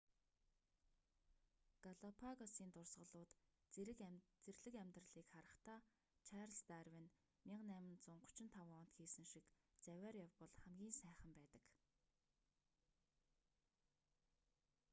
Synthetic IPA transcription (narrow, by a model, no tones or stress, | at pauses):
ɡ̥aɮɔpʰaɣɔsiːnt̪ʊrsʁə̆ɮʊːt̪ | t͡serɮɘ̆kæmʲt̪rə̆ɮiːkχaɾə̆χt̪aː | t͡ɕʰæːrəɬst̪æːrwɘ̆n | mʲɪqnæːmɪ̆nt͡sʊɴɢʊ̥t͡ɕɪ̆nt̪ʰawɔːn̥t̪xiːsɘ̆ŋʃik | t͡sæwʲæːrjawpɔɮχæmɡʲiːnsæːχə̆mpæːt̪ə̆k